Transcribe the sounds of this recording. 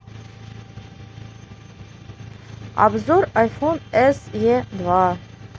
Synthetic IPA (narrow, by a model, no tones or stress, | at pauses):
a̰bzoɾajfonɛsjed̪va